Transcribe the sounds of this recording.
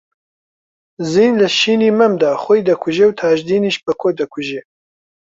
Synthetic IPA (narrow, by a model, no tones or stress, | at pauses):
ziːnləʃiːniːmɐmd̪aːxojd̪ɐkʰʊʒewt̪ʰaːʒd̪iːniʃbəkʰoːd̪ɐkʰuʒeː